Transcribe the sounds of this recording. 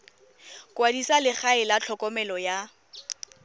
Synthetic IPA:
kʼwadisalɪχaɪlat͡ɬʰɔkʼɔmɛlɔja

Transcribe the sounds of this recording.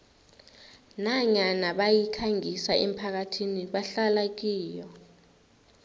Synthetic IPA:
naɲanaɓajikʰaŋisaʔem̩pʰak̬atʰiniɓaɬalak̬iːjɔ

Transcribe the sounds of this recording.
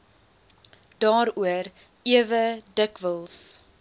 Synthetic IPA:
d̥ɑːɾuər | iəvədəkvəlˠs

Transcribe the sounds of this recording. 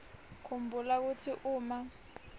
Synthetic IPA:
kʰumbʱulak̬utʰiʔuːma

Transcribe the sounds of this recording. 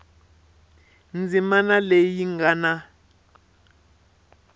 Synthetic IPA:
nd͡zimanalejiŋɡana

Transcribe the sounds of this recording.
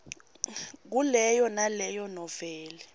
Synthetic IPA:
k̬ulɛjɔnalɛjɔnɔvɛːlɛ

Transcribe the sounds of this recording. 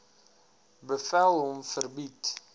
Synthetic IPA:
bəfælˠɦɔmfərbit

